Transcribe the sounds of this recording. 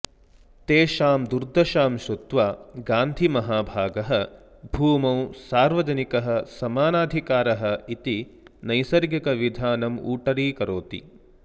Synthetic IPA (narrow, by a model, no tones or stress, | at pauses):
t̪eːʃaːmd̪uɾd̪ʱɐʃaːmʃut̪ʋaːɡaːnd̪ʱimɐɦaːbʱaːɡɐɦɐ̆ | bʱuːmɐwsaːɾʋɐd͡ʒɐnikɐɦɐ̆sɐmaːnaːd̪ʱikaːɾɐɦɐ̆it̪inɐjsɐɾɡjɐkɐʋid̪ʱaːnɐmṵːʈɐɾiːkɐɾoːt̪ḭ